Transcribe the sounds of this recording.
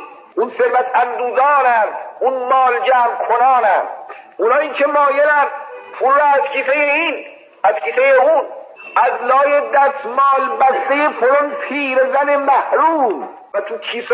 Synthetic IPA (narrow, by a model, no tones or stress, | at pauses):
ʔunseɾvæt̪ʰænd̪uːzɒːnænunmɒːld͡ʒæːmkʰonɑːnænʔunɑːiːkʰemɒːjelænpʰulːɒːæzkʰiːsejein | æzkʰiːsejeun | æzlɒːjed̪æst̪mɒːlbæsd̪ejefolanpʰiːɾezæne̞mæhɾuːm | væt̪ʰukʰiːs